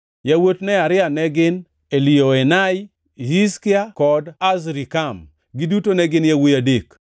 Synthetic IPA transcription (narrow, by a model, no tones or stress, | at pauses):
jawotnɛaɾɪanɛɡɪn | elioenaj | hiskɪakɔdazɾikam | ɡɪdutonɛɡɪnjawojadek